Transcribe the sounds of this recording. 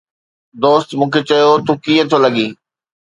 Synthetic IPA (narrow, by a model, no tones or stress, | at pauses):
d̪oːst̪mũːkʰet͡ɕɐjot̪ʰuːkiːə̃t̪ʰolɐɠĩː